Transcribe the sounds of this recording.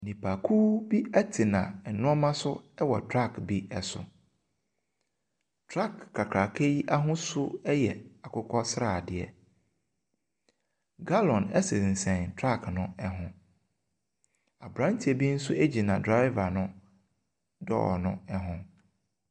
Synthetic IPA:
nĩ˨pʰa˨kʰuː˦bi˦ɛ˦tʰɪ˨nã˨nʊ̃˦ɔ˦mã˦sʊ˦ɛ˦wɔ˨tʰɾa˦˨kbi˦ɛ˨sʊ̰˨ | tʰɾa˦kʰːa˨kʰɾa˨kʰe˦ji˦ʔa˦ɦʊ̃˦sʊ˦ɛ˦jɛ˨a˨kʰʊ˦kʰɔ˦sɾaː˨dɪ˨ɛ̰˨ | ɡa˦lɔ̃˨nɛ˦sɪ˨n̩˨sɛ̃˨ntʰɾa˦˨knʊ̃˦ɛ˦ɦʊ̃˦ | a˨bɾã˦ntʰi˨ɛ˨bi˦n̩˦sʊ˦ʔe˦d͡ʑi˨nã˨dɾa˦ɪ˦va˨nʊ̃˦ | dɔ̰˦˨nʊ̰̃˦ɛ˦ɦʊ̃˦

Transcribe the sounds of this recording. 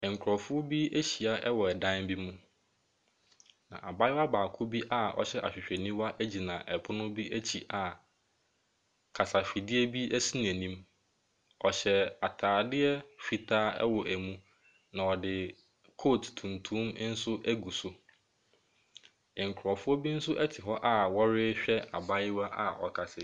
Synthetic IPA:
ŋ̩˨kʰʊ˨ɾɔ˨fʊ˦bi˦æ˦ɕi˨a˨ʔɛ˦wɔ˨ɛ˨dã˦nbi˦mũ˦ | nã̰˨ʔa̰˨ba˦ɪ˦wa˦baː˨kʰʊ˦bi˦ʔa˦ɔ̰˨ɕɛ˦ʔa̰˨ɕᶣɪ˨ɕᶣɛ˨nĩ˦wa˦ʔæ˦d͡ʑi˨nã˨ʔɛ˨pʰʊ˦nʊ̃˦bi˦ʔæ˦t͡ɕʰi˨ʔa˨ | kʰa˨sa˨fi˨dɪ˦ɛ˦bi˦ʔæ˦si˦n˨æ˨nĩ˦m | ɔ˨ɕɛ˨a˨tʰaː˨dɪ˦ɛ˦fi˨tʰaː˦ɛ̰˦wɔ˨ʔæ˨mũ˦ | nã˨ɔ˨dɪ˨ | kʰoː˦˨ttʰũ˨ntʰũ˦m˦n̩˦sʊ˦ʔæ˦ɡu˨sʊ˨ | ŋ̩˨kʰʊ˨ɾɔ˨fʊ˦ɔ˦bi˦n̩˦sʊ˦ʔɛ˦tʰɪ˨ɦɔ˦ʔa˦wɔ˦ɾɪ˦ɕᶣɛ˦a̰˨ba˦jɪ˦wa˦ʔa̰˨ɔ̰˨kʰa˨sɪ˨

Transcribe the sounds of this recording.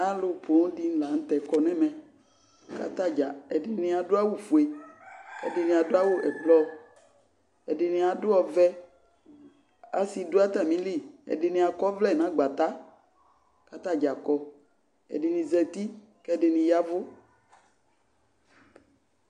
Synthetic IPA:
a˨lʊ˨põ˨˦di˦la˨ŋ̩˦t̪ɛ˨kɔ˨nɛ̃˦mɛ̃˨ | ka˦t̪a˦d͡ʒa˨ɛ˨dɪ˨nĩ˦a˨dʊ˦a˦wo˦fu˨e˨kɛ̰˦dɪ˨nĩ˨a˨dʊ˦a˦wo˦ʔɛ˨k͡plɔ˦ | ɛ˨dɪ˨nĩ˨a˨dʊ˦ɔ˨vɛ˦ | a̰˦si˨dʊ˦a˦t̪a˨mĩ˦li˦ɛ̰˨dɪ˨nĩ˨a˨kɔ˦vlɛ˦˨nã˨˦ɡ͡ba˨t̪a˦ | ka˦t̪a˦˨d͡ʒa˨kɔ˨ | ɛ̰˨dɪ˨nĩ˨zɛ˨t̪i˦ | kɛ˦dɪ˨nĩ˨ja˦vʊ˦

